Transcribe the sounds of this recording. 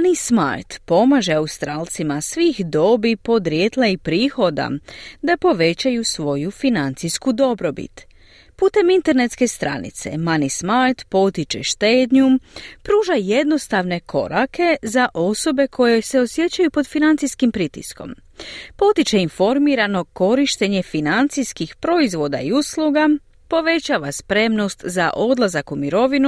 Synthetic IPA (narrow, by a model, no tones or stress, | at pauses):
nisma̰jt̪po̞maʒe̞aust̪ɾaːlt̪simasʋixd̪o̞bipo̞d̪ɾjet̪laipɾiːxo̞d̪a̰d̪apo̞ʋe̞t͡ɕajusʋo̞jufinant̪sijskud̪o̞bɾo̞bḭt̪ | puːt̪e̞mint̪e̞ɾne̞t̪ske̞st̪ɾa̰nḭt̪se̞̰manismajt̪po̞t̪it͡ʃḛʃt̪eːd̪ɲumpɾuːʒaje̞d̪no̞st̪aʋne̞kʰo̞̰ɾake̞zaʔo̞so̞be̞kʰo̞je̞se̞o̞sje̞t͡ɕajupo̞d̪finant̪siskimpɾit̪ḭsko̞̰m | po̞t̪it͡ʃe̞info̞ɾmiɾano̞ko̞ɾiʃt̪e̞ɲe̞finant̪sijskixpɾo̞izʋo̞d̪a̰iuslˠuɡa | po̞ʋe̞t͡ɕaːʋaspɾe̞mno̞st̪zaʔo̞d̪lazakumiɾo̞ʋinu